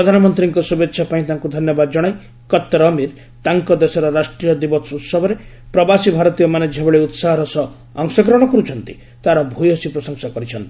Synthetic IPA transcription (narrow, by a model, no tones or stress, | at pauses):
ɾɔd̪ʱanɔmɔnt̪ɾiŋkɔsubetːʃʰapaĩt̪aŋkud̪ʱɔnjɔbad̪ɔd͡ʒɔɽ̃aj | kɔt̪ːɾɔmiɾ | t̪aŋkɔd̪esɔɾɔɾasʈɾijɔd̪ibɔsut̪sɔbʱɔɾe | pɾɔbasibʱaɾɔt̪ijɔmaned͡ʒeɦebeɭeut̪saɦɔɾɔsɔ | ɔŋsɔkɾɔɽ̃ɔkɔɾut͡ʃʰɔnt̪i | t̪aɾɔbʱujɔsipɾɔsɔŋsakɔɾit͡ʃʰɔnt̪i̥